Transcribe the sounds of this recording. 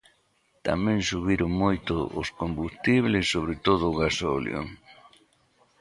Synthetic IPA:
t̪a̰mɛ̃ŋsuβiɾʊŋmojt̪ʊʔʊ̰skombust̪iβ̞lɪsːoβ̞ɾet̪oð̞ʊɣasoljo̰

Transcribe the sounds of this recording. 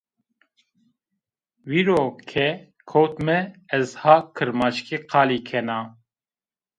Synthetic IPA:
wiːɾoːkʰɛ | kʰowt̪mɛɛzhaːkʰɨɾmaʃkiqʰɑːliːkʰɛnaː

